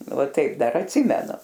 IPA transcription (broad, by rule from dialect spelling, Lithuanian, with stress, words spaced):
ʋɐ ˈtɐɪp ˈdɐr ɐtʲˈsʲɪmʲɛnʊ